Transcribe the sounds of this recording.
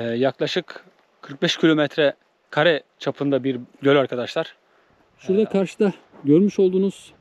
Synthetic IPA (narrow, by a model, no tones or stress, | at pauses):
ɛːjaklˠaʃɯk | kʰɯɾk̚bɛʃcʰilʲo̞mɛt̪ʰɾɛ | kʰaɾɛ | t͡ʃʰapʰɯnd̪abiɾɟølʲaɾkʰad̪aʃlˠaɾ̥ | ʃuɾd̪akʰaɾʃɯd̪a | ɟøɾmyʃo̞lˠd̪uːnuz̥